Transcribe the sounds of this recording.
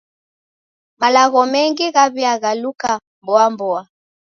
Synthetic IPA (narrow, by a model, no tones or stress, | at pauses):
malaɣɔmɛŋɡiɣaβiaɣaluka | mbɔambɔa